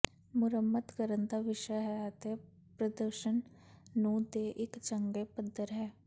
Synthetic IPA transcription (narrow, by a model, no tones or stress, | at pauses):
mʊɾəmːət̪kəɾənd̪aːʋɪʃəɦɛət̪e | pɾəd̪əɾʃənnũːd̪eːʔɪkt͡ʃəŋɡeːpəd̪ːəɾɦɛː